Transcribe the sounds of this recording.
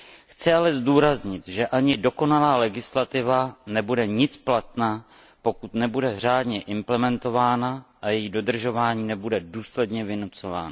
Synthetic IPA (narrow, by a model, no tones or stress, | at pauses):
xt͡sɪalɛzduːɾazɲɪt̪ʒɛʔaɲɪdo̞ko̞nalaːlɛɡɪslat̪ɪvanɛbudɛɲɪt͡splat̪naː | po̞kut̪nɛbudɛr̝aːdɲɛʔɪmplɛmɛnt̪o̞vaːnaʔajɛjido̞d̪r̩ʒo̞vaːɲiːnɛbudɛduːslɛdɲɛvɪnut͡so̞va̰ːna